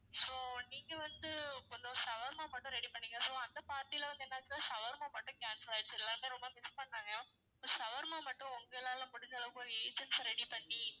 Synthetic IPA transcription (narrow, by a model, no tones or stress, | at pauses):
soːniːŋɡɐʋɐnd̪ɯɔnd̪osɐʋɐɾmaːmɐʈːʊ̃ɾɛɽipɐɳːiːŋɡɐsoːɐnd̪ɐpaːɾt̪iɪlɐʋɐnd̪ɯɛeːnːaːɐt͡ʃːɪnãːsɐʋɐɾmaːmɐʈːʊ̃kaːnsɐlaːɖt͡ʃːɛlːaːɾmeːɾɔmbɐmɪspɐɳːaːŋɡɐ | soːsɐʋɐɾmaːmɐʈːʊ̃ɔŋɡɐlaːlãːmʊɽɪɲd͡ʒɐlɐʋkɔɾiːd͡ʒɐnsɾɛɽipɐɳːi